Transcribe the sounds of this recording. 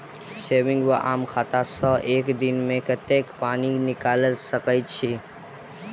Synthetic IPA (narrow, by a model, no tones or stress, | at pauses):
seːʋɪ̃ŋɡʋaʔaːmkʰaːt̪asɔʔeːkd̪ɪnmẽkət̪ekpaːninɪkaːləlsəkəjt͡ʃʰiː